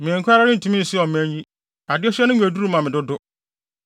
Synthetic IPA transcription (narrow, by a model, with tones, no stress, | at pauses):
mɛ̃˨ŋ̩˨kʰa˦ɾa˦nɪ̃˦n̩˨tʰu˦mĩ˦n̩˨sɪ˦ɔ˨mæ̃˦ɲ˦i˦ | a˨dɪ˦ɔ˦ɕɛ˦nʊ̃˦ɲʷᶣ˨æ˨du˦u˦mã˨mɪ̃˨dʊ˦dʊ˦